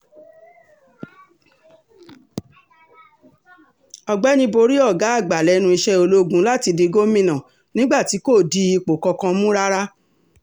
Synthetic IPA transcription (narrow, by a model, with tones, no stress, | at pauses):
ɔ˧ɡ͡bɛ˦nĩ˦bo˧ɾi˦ɔ˦˨ɡa˨˦a˦˨ɡ͡ba˨lɛ˨˦nũ˧i˧ʃɛ˦o˧lo˦ɡũ˨˦la˦ti˧di˧ɡo˦mĩ˦˨nã˨ | nĩ˦ɡ͡ba˦˨ti˨˦ko˦˨di˨˦i˧k͡po˨kɔ˧kã˧mũ˦ɾa˦ɾa˦